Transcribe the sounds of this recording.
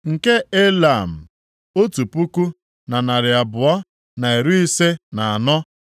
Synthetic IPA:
ŋ̩˨ke˦e˦la˨m̩˨ | o˦tu˨pu˦ku˦ | na˨na˨ɾɪ˨a˨bʊ˨ɔ˦ | na˨e˨ɾu˦i˦se˦na˨a˨nɔ˦

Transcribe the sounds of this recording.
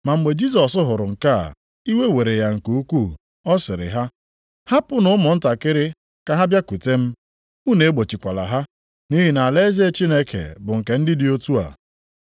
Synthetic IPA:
ma˨ŋ͡m̩˨ɡ͡be˨d͡ʒi˦s̬ɔ˨sʊ˦ɦʊ˨ɾʊ˨ŋ̩˨ka̰˦˨ | i˦we˦we˨ɾe˨ja˨ŋ̩˨ku˨u˦kʷu˦˨ | ɔ˦sɪ˨ɾɪ̰˨ɦa˦ | ha˦pʊ˦nʊ˦ʊ˦mʊ˨n̩˦ta˨kɪ˦ɾɪ˦ | ka˨ɦa˦bja˦ku˨te˦m̩˦ | u˦ne˨e˦ɡ͡bo˨t͡ʃi˨kʷa˨la̰˨ɦa˦ | ni˦ɦi˨na˨le˦ze˦e˦t͡ʃi˦ne˦kḛ˨bʊ˨ŋ̩˨ke˨n̩˦dɪ˦dɪ˦o˦tu˦a̰˨

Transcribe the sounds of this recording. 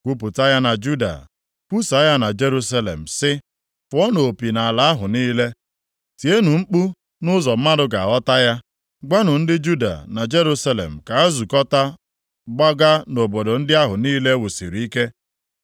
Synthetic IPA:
kʷu˦p̬ʊ˨ta˦ja˦na˨d͡ʒu˦da̰˨ | ku˦sa˨˦ja˦na˨d͡ʒe˦ɾu˦s̬a˦lḛ˨m̩˨sɪ˦ | fʊ˨˦ɔ˦no˨o˨pi˨na˨a˨la˨a˦ɦʊ˨niː˦le˦ | ti˨e˦nu˨ŋ͡m̩˦k͡pu˦ | nʊ˦zɔ˨m̩˦ma˦dʊ˨˦ɡa̰˨ɔ˦ta˦ja˦ | ɡa˦nʊ˨n̩˦dɪ˦d͡ʒu˦da̰˨na˨d͡ʒe˦ɾu˦sa˦lḛ˨m̩˨ka˨a˦zu˨kɔ˦ta˦ | ɡ͡ba˦ɡa˦no˨bo˨do˨n̩˦dɪ˦a˦ɦʊ˨niː˦le˦wu˨si˨ɾi˨i˦ke˦

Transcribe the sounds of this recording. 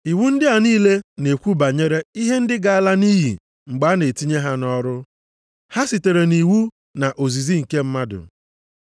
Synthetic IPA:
i˨wu˦n̩˦dɪ˦a˨niː˦le˦ne˨kʷu˦ba˨ɲe˦ɾe˦i˦ɦe˦n̩˦dɪ˦ɡa˨a˦la˦ni˦ɦḭ˨ | ŋ͡m̩˨ɡ͡ba˨˦ne˨ti˦ɲe˦ɦa˦nɔ˦ɾʊ˦ | ha˦si˨te˨ɾe˨ni˨wu˦ | na˨ʔo˨zi˨zi˦ŋ̩˨ke˦m̩˦ma˦dʊ̰˨

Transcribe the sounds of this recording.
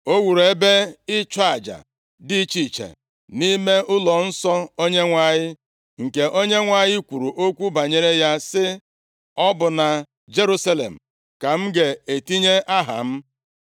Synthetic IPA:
o˦wu˨ɾe˨be˦ɪ˦t͡ʃa˨d͡ʒa̰˨ | dɪ˦t͡ʃi˨t͡ʃḛ˨ | ni˦me˦ʔʊ˦lɔ˨n̩˦sɔ˦o˦ɲe˦ŋʷa˨ɲɪ˦ | ŋ̩˨ke˨ʔo˦ɲe˦ŋʷa˨ɲɪ˦kʷu˨ɾu˨ʔo˦kʷu˦ba˨ɲe˦ɾe˦ja˦sɪ˦ | ɔ˦bʊ˨na˨ | d͡ʒe˦ɾu˦sa˦lḛ˨m̩˨ | ka˨m̩˦ɡe˨e˨ti˦ɲe˦ʔa˦ɦa̰˨m̩˦

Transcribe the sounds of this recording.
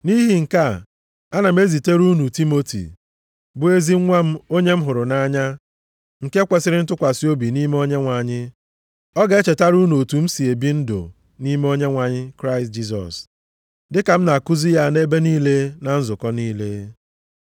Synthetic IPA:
ni˦ɦi˨ŋ̩˨ka˦ | a˦na˨m̩˦e˦zi˨te˦ɾu˦nu˨ti˦mo˦tḭ˨ | bʊ˨e˦zi˦ŋʷa˦m̩˦o˦ɲe˦m̩˦ɦʊ˨ɾʊ˨na˦ɲa˦ | ŋ̩˨ke˦kʷe˨sɪ˦ɾɪ˦n̩˦tʊ˦kʷa˨si˦o˦bi˨ni˦me˦o˦ɲe˦ŋʷa˨ɲɪ˦ | ɔ˦ɡa˨˦e˦t͡ʃe˨ta˦ɾu˦no˨o˨tu˨m̩˦si˨e˨bi˦n̩˦dʊ̰˨ | ni˦me˦o˦ɲe˦ŋʷa˨ɲɪ˦kɾa˦ɪ˨std͡ʒi˦sɔ̰˨s | dɪ˦ka˨m̩˦na˨ku˦zi˦ja˦ne˦be˦niː˦le˦na˨n̩˦zʊ˨kɔ˦niː˦le˦

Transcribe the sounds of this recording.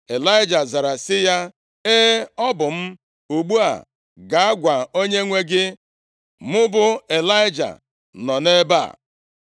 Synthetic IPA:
e˨la˦ɪ˦d͡ʒa˨za˨ɾa˨sɪ˦ja˦ | e˦ɔ˦bʊ˨m̩˦ | u˨ɡ͡bu˦a̰˨ | ɡa˨a˦ɡʷa˨o˦ɲe˦ŋʷe˦ɡɪ˦ | mʊ˦bʊ˦e˨la˦ɪ˦d͡ʒa̰˨ | nɔ˨ne˦ba̰˦˨

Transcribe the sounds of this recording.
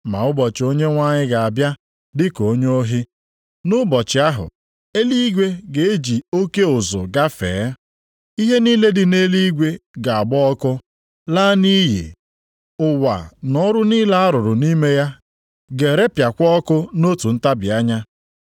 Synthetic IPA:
ma̰˨ʊ˦bɔ˨t͡ʃɪ˨o˦ɲe˦ŋʷa˦ɲɪ˦ɡa˨a˨bja˦ | dɪ˦ko˨˦ɲ˦o˦ɦi˦ | nʊ˦bɔ˨t͡ʃɪ˨a˦ɦʊ̰˨ | e˦li˦ɡʷe˦ɡe˨e˦d͡ʒi˨o˦ke˦ʊ˨zʊ̰˨ɡa˦fḛː˨˦ | i˦ɦe˦niː˦le˦dɪ˨ne˦li˦ɡʷe˦ɡa˨a˨ɡ͡bɔ˦ɔ˦kʊ˦ | laː˦ni˦jḛ˨ | ʊ˨wa̰˨nɔ˦ɾʊ˦niː˦la˦a˦ɾʊ˨ɾʊ˨ni˦me˦ja˦ | ɡe˨ɾe˦pja˨kʷɔ˦kʊ˦no˦tu˨n̩˦ta˦bi˨a˦ɲa˦

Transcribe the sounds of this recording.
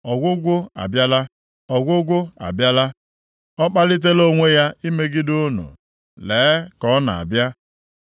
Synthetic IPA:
ɔ˨ɡʷʊ˦ɡʷʊ˦a̰˨bja˦la˦ | ɔ˨ɡʷʊ˦ɡʷʊ˦a̰˨bja˦la˦ | ɔ˦k͡pa˦lɪ˦t̬e˦lo˦ŋʷe˦ja˦i˦me˦ɡɪ˦dʊ˦nṵ˨ | leː˨˦kɔ˦na̰˨a̰˨bja˦

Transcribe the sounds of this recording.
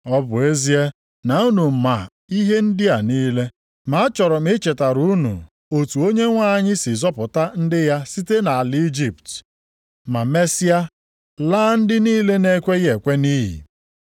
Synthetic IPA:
ɔ˦bʊ˨e˦zi˦e˦ | na˨u˦nu˨m̩˨ma̰˨ | i˦ɦe˦n̩˦dɪ˦a˨niː˦le˦ | ma˨a˦t͡ʃɔ˨ɾɔ˨m̩˦e˦t͡ʃe˨ta˨ɾu˦nṵ˨ | o˨tu˨o˦ɲe˦ŋʷa˦˨ɲɪ˦sɪ˨zɔ˦pʊ˨ta˦n̩˦dɪ˦ja˦si˦te˦na˨a˨li˦d͡ʒi˦˨pt | ma˨me˦si˦a˦ | laː˦n̩˦dɪ˦niː˦le˦ne˦kʷe˦je˨kʷe˦ni˦ɦḭ˨

